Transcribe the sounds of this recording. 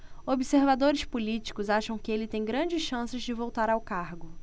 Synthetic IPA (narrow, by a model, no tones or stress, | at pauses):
obiseɾvad̪oɾɪspulit͡ʃi̥kʊzaʃɐ̃w̃kɪelɪt̪ẽj̃ɡɾɐ̃d͡ʒɪsʃɐ̃sɪzd͡ʒɪvowt̪aɾawkaɾɡʊ